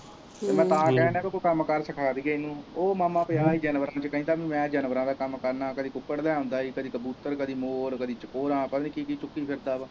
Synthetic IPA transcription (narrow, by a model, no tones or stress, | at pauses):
t̪eːmɛ̃ːt̪ãːkɛːnɛ̃ːbɪkoːkəmkəɾsəkʰaːd̪iːɡəiːnũːoːmaːmãːpɪaːiːd͡ʒɛːnʋəɾãːt͡ʃəkəɦĩːt̪aːbĩːmɛ̃ːd͡ʒɛnʋəɾãːd̪aːkəmkəɾnaːkəd̪iːkʊkːəɽlɛːɦõːnd̪aːiːkəd̪iːkəbuːt̪əɾkəd̪iːmoːɾkəd̪iːt͡ʃəkoːɾãːpɛniːkiːkiːt͡ʃʊkːiːpʰɪɾd̪aːa